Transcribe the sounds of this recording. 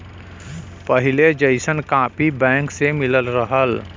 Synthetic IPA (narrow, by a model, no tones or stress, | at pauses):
pəɦɪled͡ʒəɪsənkãːpibɛ̃ːŋksemɪləlɾəɦəl